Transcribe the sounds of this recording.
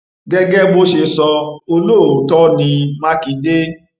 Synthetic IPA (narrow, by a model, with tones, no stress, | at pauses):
ɡɛ˦ɡɛ˦bo˦ʃe˧sɔ˧o˧lo˦˨o˨tɔ˦nĩ˧mã˦ki˨˧˦de˦